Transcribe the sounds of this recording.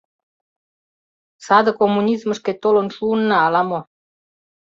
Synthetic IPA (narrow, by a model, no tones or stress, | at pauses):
sɑd̪ɤ̆komːunʲizmə̆ʃket̪olə̆nʃuːnːɑːlɑmo